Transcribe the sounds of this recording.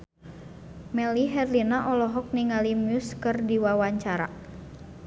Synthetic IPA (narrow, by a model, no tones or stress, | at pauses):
mɛliɦɛrlinaʔɔlɔɦɔk̚niŋalimjuskɨrdiwawaɲt͡ʃaɾa̰